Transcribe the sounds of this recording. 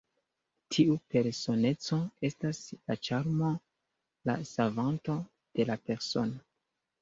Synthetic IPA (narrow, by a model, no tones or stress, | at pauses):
tʰiupe̞ɾso̞ne̞t͡so̞e̞staslat͡ʃaɾmo̞ | la̰savanto̞ | d̥e̞lape̞ɾso̞no